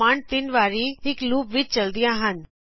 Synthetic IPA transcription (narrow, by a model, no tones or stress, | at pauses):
aːɳt̪ɪnʋaːɾiɦɪkluːpʋɪt͡ʃt͡ʃɐld̪ijãɦən